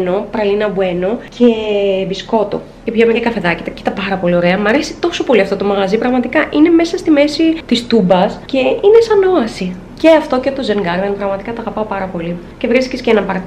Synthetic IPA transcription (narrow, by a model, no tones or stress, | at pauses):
no̞pɾɐlinɐbue̞no̞cʰebisko̞t̪o̰ | cepçɐmekɐfe̞ðɐcit̪ɐci̥t̪ɐpɐɾɐpo̞lio̞ɾe̞ɐmɐɾesi̥t̪o̞so̞po̞liɐft̪o̞t̪omɐɣɐzipɾɐɣmɐt̪ikɐʔine̞me̞sɐst̪ime̞sit̪ist̪ubɐsce̞ine̞sɐno̞ɐsi | ce̞ɐft̪o̞cet̪o̞zeŋɡɐɾvenpɾɐɣmɐt̪ikɐt̪ɐɣɐpɐopɐɾɐpo̞li | ce̞vɾiskescenɐpɐɾt̪